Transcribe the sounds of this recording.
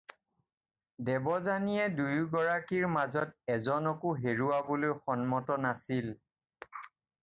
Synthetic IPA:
dɛbɔzanijɛdujɡɔɹakiɹmazɔtɛzɔnɔkʊɦeɹuwabolojxɔnmɔtɔnasil

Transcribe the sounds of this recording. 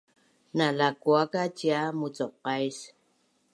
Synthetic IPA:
nalakuakat͡ʃiamut͡sɔqːajs

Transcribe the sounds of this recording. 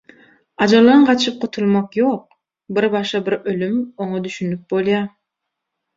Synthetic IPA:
ɑd͡ʒɑlˠɑɯɴqʰɑt̪ʃɯp̚qʰut̪ʰulˠmoqjoq̚ | biɾbɑʃɑbiɾølymoɴod̪yʃynyp̚bolˠjɑ

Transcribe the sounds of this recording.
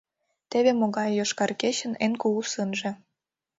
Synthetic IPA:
t̪eβemoɣɑjːoʃkɑrket͡ɕə̆nenkuusɯnʒĕ

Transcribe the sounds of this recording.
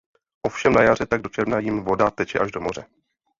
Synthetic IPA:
ʔo̞fʃɛmnajarɛt̪aɡ̚do̞t͡ʃɛɾvnajɪmvo̞dat̪ɛt͡ʃɛʔaʒdo̞mo̞rɛ

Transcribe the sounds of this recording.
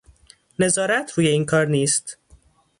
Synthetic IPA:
ne̞zɒːɾæt̪ʰɾuːje̞iːnkʰɒːɾniːst̪

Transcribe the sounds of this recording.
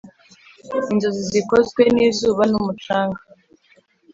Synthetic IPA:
inzozizikozɡwe̞niːzuːβanumut͡ʃaːŋɡa

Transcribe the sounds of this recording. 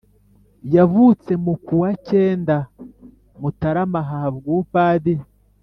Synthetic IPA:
jaβut͡se̞mukuwaceːnda | mutaɾamaɦahaβɡuːpaːdi

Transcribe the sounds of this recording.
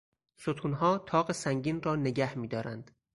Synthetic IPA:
sot̪ʰuːnɦɒːt̪ʰɒːɣesæŋɟiːnrɒːne̞ɟæhmiːd̪ɒːɾænd̪̥

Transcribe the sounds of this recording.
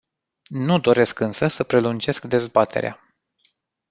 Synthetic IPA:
nud̪o̞ɾe̞skɨnsəsəpɾe̞lund͡ʒe̞skd̪e̞zbat̪ʰe̞̰ɾea̰

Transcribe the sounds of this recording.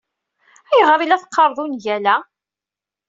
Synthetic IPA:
æjəʁɾˤilæθə̥qːɑɾˤðˤunʝælæ

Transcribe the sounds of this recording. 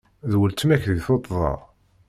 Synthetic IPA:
ðwəlt̪mæçðiθot̪ˤːðˤɑ̰ˤ

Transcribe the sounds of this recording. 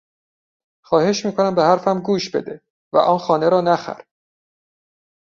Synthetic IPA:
xɒːhe̞ʃmiːkʰonæmbehæɾfæmɡuːʃbe̞̰d̪e | væ̰ʔɒːnxɒːneɾɒːnæxæ̰ɾ

